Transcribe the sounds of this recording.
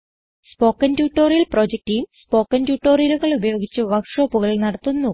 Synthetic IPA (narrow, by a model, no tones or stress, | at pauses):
spo̞ːkːɐntjuːʈːo̞ːrjilpro̞ːd͡ʑek̚tijumspo̞ːkːɐntjuːʈːoːrjiluɣɐɭubɐjo̞ːɡit͡ɕːuɨʋɐkʂo̞ːpːuɣɐɭnɐɽɐt̪ːunːu